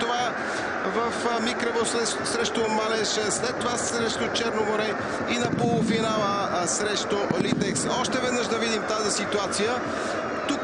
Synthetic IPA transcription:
ova | vəfmikɾɛvosɛ | sɾɛʃt̪omalɛʃɛslɛt̪ːovasɾɛʃt̪ot͡ʃɛɾnomoɾɛ | inɐpolˠʊfinalˠə | sɾɛʃt̪olit̪ɛksɔʃt̪ɛvɛd̪nəʒd̪ɐvid̪imt̪azisit̪uat̪sijə | t̪uk

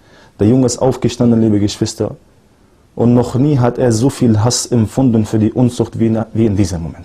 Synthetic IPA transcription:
d̥eːɐjʊŋəɪstʔa̰ʊfɡ̥əʃtandn̩liːbəɡəʃv̥ɪstɐ̰ | ʔʊntnɔχniːɦateːɐzoːfiːlɦasɛmfʊndn̩fyːɐdiːʔʊnzʊxtviviːɪndiːzəmːomɛnt

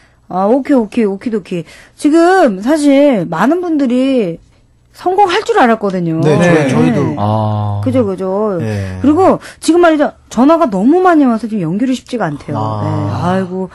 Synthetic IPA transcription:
aokʰeokʰe̞okʰedookʰe | t͡ɕiɡɯms̬ʰaɕ̬ʰiɭmanɯnbundɯɾi | sʰʌŋɡoŋɦaɭt͡ɕ͈uɾɯaɾak͈ʌdɯɲoee | kɯd͡ʑokɯd͡ʑokɯɾiɡot͡ɕiɡɯmːaɾid͡ʑa | t͡ɕʌnaɡanʌmumaɲimjʌsʰʌt͡ɕomjʌŋɡjuɾɯɭɕʰi̥p̚t͡ɕ͈iɡaːntʰe̞jo̰ne̞aiɡo

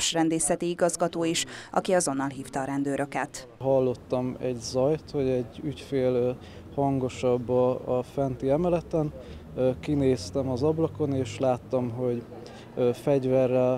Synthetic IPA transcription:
ʃrɛnd̪eːsɛt̪iiɡɒzɡɒt̪oːiʃʔɒ̰kiɒzo̞nːɒlɦiːft̪ɒːɾɛnd̪øːɾʔø̞kɛ̰t̪ | ɦɒlːo̞t̪ːɒmɛɟzɒjt̪ho̞ɟɛɟːycfeːl | hɒŋɡo̞ʃɒbːɒɒfɛnt̪iɛmɛlɛt̪ɛn | kineːst̪ɛmɒzɒblɒko̞neːʃlaːt̪ːɒmɦo̞ɟ | fɛɟvɛrːɛl

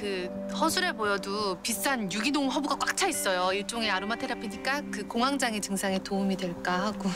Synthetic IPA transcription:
kɯ | hʌsʰuɾe̞bojʌdupis͈anjuɡinoŋɦʌbuɡak͈wak̚t͡ɕʰais͈ʌjoiɭt͡ɕ͈oŋeaɾumatʰeɾapʰiɲik͈akɯkoŋɦaŋd͡ʑaŋet͡ɕɯŋsʰaŋe̞toumidwe̞ɭk͈aɦaɡo

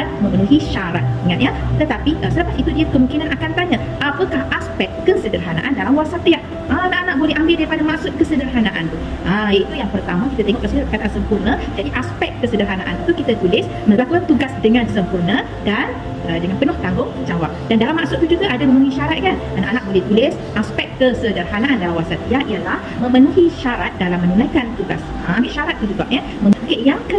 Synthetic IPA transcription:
amə̃mənuɦiʃaɾat̪̚əŋanjat̪ət̪apiʔəsələpat̪it̪udiakəmuŋkinanakant̪aɲa | ʔapəkahʔaspɛkt̪̚kəsədərɦana̰ʔandalamwasat̪əjaŋ | ʔanaʔanaʔ̚bolɛɦambɪldaɾipadamaʔsʊt̪̚kəsədərɦanaʔa̰nt̪u | ʔəjait̪ujaŋpərt̪amãkit̪at̪eŋɔʔkəsuəkat̪ansəmpurnəd͡ʒadiʔaspɛk̪̚kəsədərɦanaʔa̰nit̪ukit̪at̪ulɪs | məlakukant̪uɡasdəŋãnsəmpurnə | dan | ədəŋanpənʊht̪aŋɡʊŋd͡ʒawap̚dandalamaʔsʊt̪̚t̪ud͡ʒuɡaʔadaməmənuhɦiʃaɾat̪̚kanana̰ʔanaʔ̚bolɛht̪ulɪs | ʔaspɛk̪̚kəsədərɦanaʔandaawasat̪iaʔiəlahmə̃mənuɦiʃaɾat̪̚dalamːənulajkant̪uɡa̰s | əambɪlʃaɾat̪̚ːud͡ʒuɡaʔ̚ɲə | mə̃məukɪʔjaŋkə

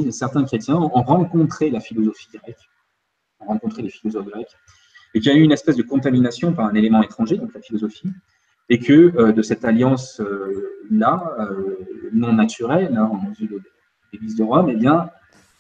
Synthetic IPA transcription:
sɛʁt̪ɛ̃kχet̪jɛ̃ɔ̃ɔ̃ʁɑ̃kɔ̃t̪χelafilɔzɔfiɡʁɛk | ɔ̃ʁɑ̃kɔ̃t̪χelefilɔzɔfɡʁɛk | ekʲijayynɛspɛzd̪əkɔ̃t̪aminasjɔ̃paʁɛ̃nelemɑ̃et̪χɑ̃ʒed̪ɔ̃klafilɔzɔfi | ekʰəød̪əsɛt̪aljɑ̃sølaønɔ̃nat̪yʁɛlɛɑ̃zyd̪d̪e | leɡlizd̪əʁwamebjɛ̃

